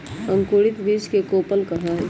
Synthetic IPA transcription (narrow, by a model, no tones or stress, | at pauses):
ə̃ŋkuːɽɪt̪biːskekoːpəlkɐɦa